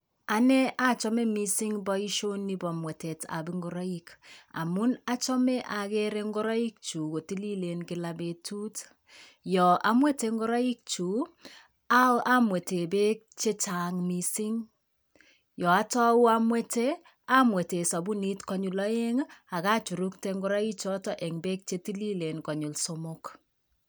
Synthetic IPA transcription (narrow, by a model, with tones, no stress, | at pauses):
a˨nɛ˦ʔa˦t͡ʃɔ˦me˦mi˦si˦ŋbɔ˦i˦ʃo˦nːi˦bɔ˨mwɛ˨te˨ta̰˨bi˦ŋɡɔ˦ɾɔ˦i˦ka̰˨mu˦na˦t͡ʃɔ˦me˦ʔa˨ke˦ɾe˦ŋɡɔ˦ɾɔ˦i˦k̚t͡ʃu˨ko˨ti˦li˦le˨nkɪ˨la˨be˨tu˦t | jɔ˨ʔa˨˦mwe˦te˨ŋɡɔ˦ɾɔ˦i˦k̚t͡ʃu˨ | a˦a˦mwe˨te˨be˦k̚t͡ʃe˦t͡ʃa˨ŋmi˨si˦ŋ | jɔ˨a˦tɔ˦u˦a˦mwe˦te˦ | a˦mwe˨te˨sɔ˨bu˦ni˦tkɔ˨ɲu˨lɔ˦je˦ŋa˨ka˦t͡ʃu˨ɾu˦k̚te˦ŋɡɔ˦ɾa˦i˦t͡ʃɔ˦tɔ˦ʔe˨ŋbe˦k̚t͡ʃe˦ti˦li˦le˨nkɔ˨ɲu˨lso˦mʊ˦k